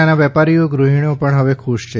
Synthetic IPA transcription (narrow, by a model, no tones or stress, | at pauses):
anaʋɛpaɾijoɡɾuɦiɳopəɳɦəʋekʰuʃt͡ʃʰe